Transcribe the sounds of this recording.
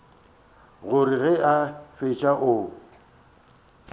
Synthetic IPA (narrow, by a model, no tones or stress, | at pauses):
ɣʊriɣɛafet͡ʃʼaʔʊ